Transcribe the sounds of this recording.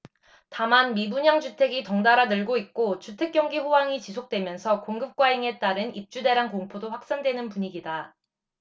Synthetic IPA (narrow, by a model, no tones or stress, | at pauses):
tamanmibuɲaŋd͡ʑutʰe̞ɡitʌŋdaɾanɯɭɡoik̚k͈ot͡ɕutʰe̞k͈̚jʌŋɡiɸowaŋit͡ɕisʰok̚t͈we̞mjʌnsʰʌkoŋɡɯp̚k͈waiŋe̞t͈aɾɯnip̚t͡ɕ͈ude̞ɾɦankoŋpʰodoɸwak̚s͈andwe̞nɯnpuɲiɡida